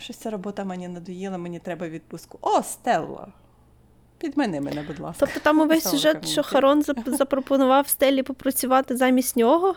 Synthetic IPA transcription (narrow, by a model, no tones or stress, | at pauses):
ʃt͡ʃɔt͡sʲaɾɔbɔt̪ɐmɛnʲinɐd̪ʊjilˠɐmɛnʲit̪ɾɛbɐʋʲid̪̚pʊskʊʔɔst̪ɛlˠːɐ̰ | pʲid̪mɛnɛmɛnɛbʊd̪lˠɑ̰stɔpt̪ɔt̪ɑmʊʋɛsʲsʲʊʒɛʃt͡ʃɔxɐɾɔnzɐzɐpɾɔpɔnʊʋɑwst̪ɛlʲːipɔpɾɔt͡sʲʊʋɑt̪ɪzɑmʲisʲtʲnʲɔɦɔ